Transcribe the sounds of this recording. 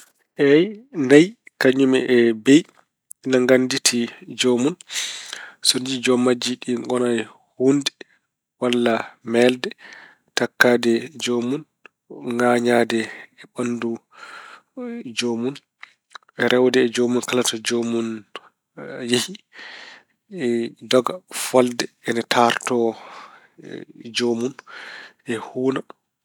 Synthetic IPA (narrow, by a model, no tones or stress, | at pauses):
ʔɛjnajkaɲːumɛʔɛbej | naŋɡanditʰid͡ʒomun | sonid͡ʒid͡ʒɔmːad͡ʒiɗiɡɔnaj | hundɛ | walːamɛldɛ | takːaːdɛd͡ʒomun | ŋɡaːɲadɛːɓandu | d͡ʒomun | ʔɛɾɛwdɛːd͡ʒomunkalatɔd͡ʒomun | jehi | dɔɡafɔldɛɛnatʰaɾtɔ | d͡ʒomunʔɛhuːna